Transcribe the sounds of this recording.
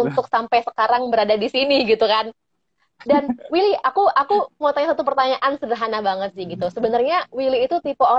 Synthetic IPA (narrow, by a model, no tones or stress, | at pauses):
unt̪ʊk̚sampajsə̥kaɾaŋbəɾadadisiniɡit̪ukan | danwiliakuʔakumot̪aɲsat̪up̬ərt̪aɲaʔansədəɦanabaŋət̪̚sɪhɡit̪usəbənarɲawiliːt̪ut̪ipoo